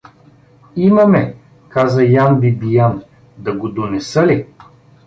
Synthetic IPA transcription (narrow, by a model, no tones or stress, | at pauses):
imɐmɛ | kazɐjanbibijan | d̪ɐɡod̪onɛsɤli